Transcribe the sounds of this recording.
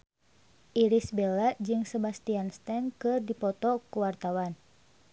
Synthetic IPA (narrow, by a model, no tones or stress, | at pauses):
ʔiɾisbelad͡ʒɨŋsəbast̪ianst̪ɛnkɨrdipɔt̪ɔkuwart̪awan